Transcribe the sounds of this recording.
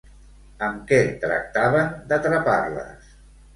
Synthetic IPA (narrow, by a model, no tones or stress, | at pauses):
əmkɛt̪ɾə̰k̚t̪aβənd̪ət̪ɾəpaɾlə̰s